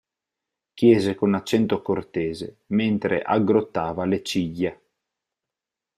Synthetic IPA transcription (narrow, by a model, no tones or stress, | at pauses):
k̟jeːzekonat͡ʃːɛnt̪okort̪eːze | ment̪ɾḛʔaɡːɾot̪ːaːvalet͡ʃiʎːe